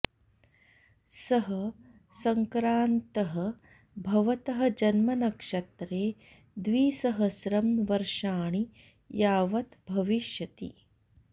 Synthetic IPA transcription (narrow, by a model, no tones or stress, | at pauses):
sɐɦɐ | sɐŋkɾaːnt̪ɐɦɐ | bʱɐʋɐt̪ɐɦɐ̆d͡ʒɐnmɐnɐkʂɐt̪ɾeː | d̪ʋiːsɐɦɐʃɾɐmnʋɐɾʃaːɳi | jaːʋɐt̪bʱɐʋiʃjɐt̪ḭ